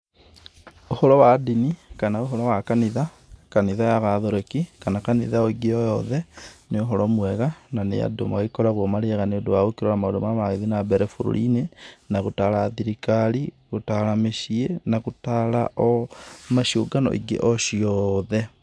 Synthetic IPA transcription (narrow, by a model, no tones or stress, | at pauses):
ohɔɾɔwadinikanaoɦɔɾɔwakaniða | kaniðajaɣaðoɾekikanakaniðaɔiɡeɔjɔðɛneoɦɔɾɔmwɛɣananḛja̰do̰ma̰ɣikɔɾaɣomaɾeɛɣaneodowaɣokiɾɔɾamaodomamaɣeðinabɛɾɛfuɾo̰ɾḭnenaɣotalaːðiɾikaɾi | ɣotalameʃienaɣutalaʔɔmaʃioɡanɔ̰ʔḭɡḛʔɔʃiɔðɛ